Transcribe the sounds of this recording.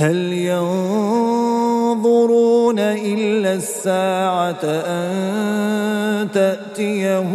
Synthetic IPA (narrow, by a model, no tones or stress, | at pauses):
haljɑn | ðˤʊɾuːnaʔɪlːasːaːʕaʔan | t̪aʔt̪ɪja